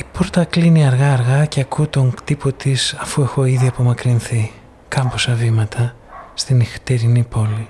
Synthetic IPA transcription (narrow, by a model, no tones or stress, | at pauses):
ipoɾt̪ɐkliniɐɾɣɐːɾɣɐceɐkut̪o̞ŋt̪ipo̞t̪isɐfue̞xo̞iðiɐpo̞mɐkɾinθi | kɐmposɐvimɐt̪ʰɐ | st̪inixt̪eɾinipo̞li